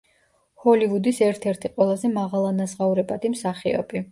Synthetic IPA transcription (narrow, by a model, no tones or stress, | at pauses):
hɔlivud̪isɛɾt̪ʰɛɾt̪ʰiqʼwɛlˠazɛmaʁalˠanazʁauɾɛbad̪imsaχiɔ̰bi